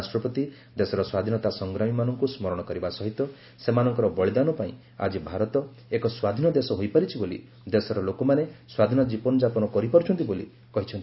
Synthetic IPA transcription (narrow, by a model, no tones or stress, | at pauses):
sʈɾɔpɔt̪i | d̪esɔɾɔswad̪ʱinɔt̪asɔŋɡɾamimanɔŋkusmɔɾɔɽ̃ɔkɔɾibasɔɦit̪ːɔ | semanɔŋkɔɾɔbɔɭid̪anɔpaĩ | a̰d͡ʒibʱaɾɔt̪ɔ | ekɔswad̪ʱinɔd̪esɔɦojpaɾit͡ʃʰibolḭ | d̪esɔɾɔlokɔmaneswad̪ʱinɔd͡ʒipɔnɔd͡ʒapɔnɔkɔɾipɔɾt͡ʃʰɔnt̪ibolḭ | kɔɦit͡ʃʰɔnt̪i